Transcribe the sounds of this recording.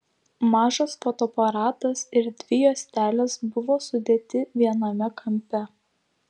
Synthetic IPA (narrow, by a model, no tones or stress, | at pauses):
mɑːʒɐsfot̪oːpɐɾɑːt̪ɐsɪɾd̪ʲʋʲɪjoːsʲt̪ʲæːlʲɛsbʊʋoːsʊd̪ʲeːt̪ʲɪʋʲiɛnɐmʲɛkʰɐmʲpʲɛ